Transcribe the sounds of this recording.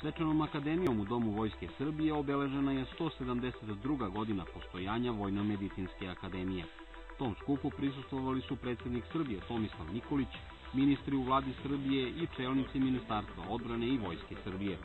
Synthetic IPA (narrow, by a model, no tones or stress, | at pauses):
sʋe̞t͡ʂano̞makad̪e̞mijo̞mud̪o̞muʋo̞jskesr̩bije̞o̞be̞le̞ʒe̞naje̞st̪o̞ːse̞d̪amd̪e̞set̪d̪ɾuɡaɡo̞d̪inapo̞st̪o̞jaːɲaʋo̞jnome̞d̪it̪inske̞akad̪eːmije | t̪o̞ːmskupupɾisust̪ʋo̞ʋalisupɾe̞t̪sje̞d̪niksr̩bije̞t̪o̞mislˠaʋniko̞lit͡ɕ | minist̪ɾiuvlˠaːd̪isr̩bijeʔit͡ʂe̞ːlnit̪siminist̪aːɾst̪ʋa̰o̞d̪bɾane̞iʋo̞jske̞sr̩bije̞